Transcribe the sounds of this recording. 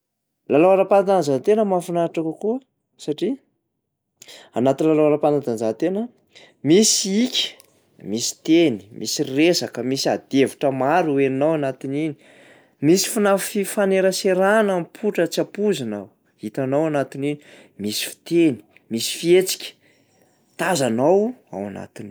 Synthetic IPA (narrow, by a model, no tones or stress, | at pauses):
lalowaɾapanad̪anzant̪enəmafunaʈ͡ʂakukuə | saʈ͡ʂi | a̰nat̪inilalaaɾapanad̪anzant̪enə | misikʲə̥ | misi̥t̪eni̥mʔisiresakəmisiad̪evuʈ͡ʂəmaɾueninawanat̪inini̥ | misi̥funafifaneɾəseɾanampʰuʈ͡ʂət͡siapuzanaw | hit̪anawanat̪inini | misi̥fi̥t̪eni̥ | misi̥fiet͡si̥kʲə̥ | t̪azanawa̰wa̰na̰t̪in